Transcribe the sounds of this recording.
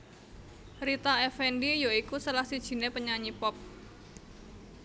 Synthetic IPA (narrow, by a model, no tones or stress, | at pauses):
ɾit̪aɛfɛndijoikusəlahsid̥ʒ̥i̤nepəɲaɲipɔp̚